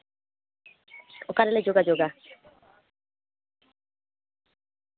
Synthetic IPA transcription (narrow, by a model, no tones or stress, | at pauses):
ɔkaɾɛlɛd͡ʒoɡad͡ʒoɡa